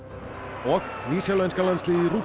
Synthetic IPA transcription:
ɔxnisɛwlɛntʰɡ̥alansliɾu

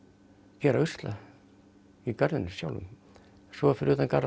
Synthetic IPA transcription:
cɛːɾaʏst̪la̰ | ikaɾðʏnʏsja̰wlʏ̰n | sɔfɪɾuːt̪anka̰ɾ

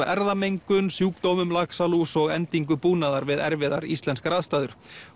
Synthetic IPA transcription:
ɛɾðamejŋkʏnsjuːkt̪owmʏmlaksalusɔɣɛnt̪iŋkʏpuːnaðaɾvɪðɛ̰ɾvɪðaɾist̪lɛnskɾaːðst̪aːðʏɾ̥

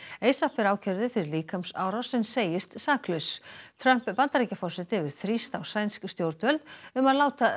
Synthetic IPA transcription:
eːjsafɪɾaːwcʰɛɾðʏfɪɾɪɾliːkamsa̰ːwɾawsɛnseːjɪst̪saːklʏst̪ʰɾœm̥ppant̪aɾicafɔr̥sɛt̪ɪvɪɾ̥θɾist̪awsajnskst̪jowɾt̪vɛlt̪ʏmaðlaːwt̪a

